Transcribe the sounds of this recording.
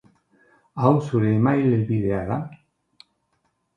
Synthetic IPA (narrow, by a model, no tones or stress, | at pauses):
awsuɾeːmajlelβiðeaða